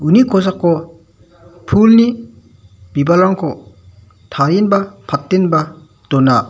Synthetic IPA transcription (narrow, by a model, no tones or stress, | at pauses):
unikʰɔzakːɔ | pʰulni | b̥ibalaŋkʰɔ | tʰaɾinbapʰat̚tenba | dɔna